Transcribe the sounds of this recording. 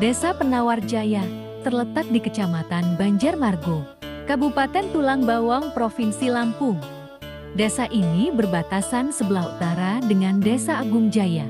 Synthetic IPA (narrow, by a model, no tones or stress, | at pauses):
desapənaward͡ʒaja | t̪ərlət̪at̪̚dikət͡ʃamat̪anbaɲd͡ʒarmarɡo | kabupat̪ɛnt̪ulaŋbawɔŋpɾofinsilampʊŋ | desaʔinibərbat̪asansəbəlahut̪aɾadəŋandesaːɡuŋd͡ʒaja